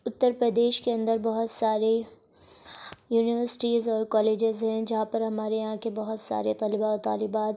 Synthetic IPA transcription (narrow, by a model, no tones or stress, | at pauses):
ʊt̪ːəɾpɾəd̪eːʃkeɐ̃nd̪əɾbɐɦʊt̪saːɾe | juːnɪʋəɾsɪ̥ʈiːzɔːɾkɔːleːd͡ʒɪzɦɛ̃d͡ʒɐɦãpɐɾɦɐmaːɾejɦãkebɐɦʊt̪sa̰ːɾet̪aːlɪbaɔt̪a̰ːlɪbaːt̪